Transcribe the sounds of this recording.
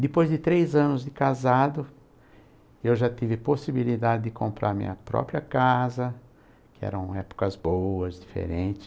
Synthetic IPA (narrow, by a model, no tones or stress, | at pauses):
d̪ɪpojzd̪ɪt̪ɾejzɐ̃nʊzd̪ɪkazad̪ʊ | ewʒat̪ivɪposibilid̪ad̪ɪd̪ɪkʰõmpɾʔa̰ɾmḭ̃ɲɐpɾɔ̰pɾiɐkazɐ | kɪɛ̰ɾɐ̃w̃ɛpʊ̥kɐzbowɐzd̪ifḛɾẽt͡ʃ̪ɪ̥s